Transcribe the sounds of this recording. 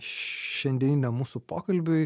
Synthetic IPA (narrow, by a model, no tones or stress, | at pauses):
ʃʲɛnʲd̪ʲinʲnʲɛmuːsʊpoːkɐlʲbʲʊɪ